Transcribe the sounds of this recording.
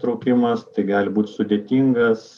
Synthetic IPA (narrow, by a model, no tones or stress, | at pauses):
t̪ɾɔʊkʲɪmɐst̪ɐɪɡɑːlʲɪbuːt̪ʲsʊd̪ʲeːt̪ʲiŋɡɐs